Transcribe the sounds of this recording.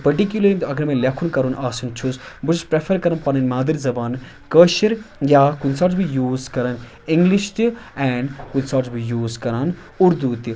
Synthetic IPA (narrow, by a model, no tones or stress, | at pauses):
pɐɾʈikjuləint̪ɐɡɐɾmẽːlʲɐkʰunkɐɾunʔaːsunt͡ʃʰusbut͡ʃspɾefʰəɾkɐɾɐnpɐnɐnmaːd̪əɾzɐbaːn | kəːʃiɾjaːkunsaːɾzbijuːzkɐɾɐn | ĩŋɡliʃt̪iɛːɳɖkunsaːʈzbijuːzkɐɾan | ʊɾd̪uːt̪i